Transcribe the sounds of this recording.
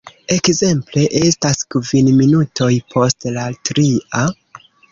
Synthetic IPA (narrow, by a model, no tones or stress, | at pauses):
e̞kze̞mple̞ʔe̞staskvinminutʰo̞jpʰo̞stlaltɾia